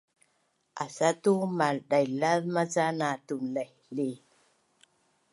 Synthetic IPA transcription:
ʔa̰satumalɗajlaðmazanatunlahle

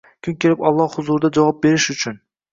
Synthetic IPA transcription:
kʰʲʊŋkʲʰelɪpɒlˠːɑhhʊzʊɾd̪ad͡ʒavɑp̚be̞ɾɪʃʊt͡ʃʰʊn

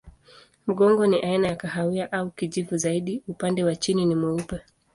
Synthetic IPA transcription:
m̩ɠɔŋɡɔniʔainajakaɦawiaʔaukiʄivuzaiɗiupandɛwat͡ʃininimɛupɛ

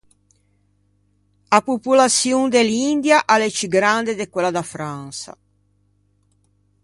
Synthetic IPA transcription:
apupulat̪sjund̪elind̪jaʔalet͡ʃiɡɾand̪ed̪ekwelad̪afɾansa̰

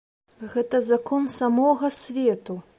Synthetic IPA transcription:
ɣɛt̪ɐzakɔnsamɔɣɐsʲvʲɛt̪u

